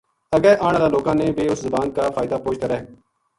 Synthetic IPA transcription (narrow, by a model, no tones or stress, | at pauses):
əɡɛːʔaːɳ̃ːd̪aːloːkãːnẽːbeːʊszəbaːn̚kaːfʰaːɪd̪aːpoːt͡ʃʰt̪aːɾəɦe